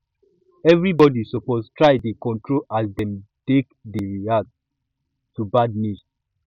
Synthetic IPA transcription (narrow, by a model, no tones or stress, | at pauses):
ɛvɹibɔdisopostʰɹaɪdekɔ̃ntɹolʔasdɛ̃mtekdeiat | tubadnus